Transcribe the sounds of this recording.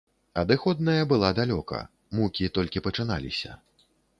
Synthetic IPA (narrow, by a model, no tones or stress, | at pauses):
ɐd̪ɨxɔd̪̚nɐjɐbɨlˠad̪alʲɔkɐ̰ | mukʲit̪ɔlʲkʲipɐt͡ʂɨna̰lʲḭsʲɐ